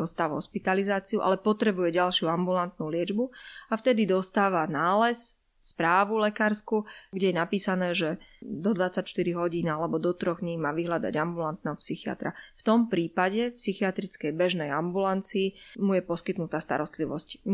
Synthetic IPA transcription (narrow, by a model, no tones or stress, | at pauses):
ɔst̪aːʋɦɔ̰ʃpit̪alizaːt͡siuʔa̰lɛpɔt̪ɾɛbujɛɟalʃɪuambulant̪nulɪɛd͡ʒbuaft̪ɛd̪id̪ɔst̪aːʋanaːlɛs | spɾaːʋulɛkaːɾskuɡɟɛjɛnapiːsanɛːʒɛd̪ɔd̪ʋat͡sacʃt̪iɾiɦɔɟiːnalɛbɔd̪ɔt̪ɾɔɣɲimaːʋiɦlad̪a̰ɟambulant̪̚nɛːɦɔpsixia̰t̪ɾa̰ft̪ɔmpɾiːpaɟɛfpsixiat̪ɾit͡skɛjbɛʒnɛjambulant͡siːmujɛpɔskit̪nut̪aːst̪a̰ɾɔst̪liʋɔ̰sc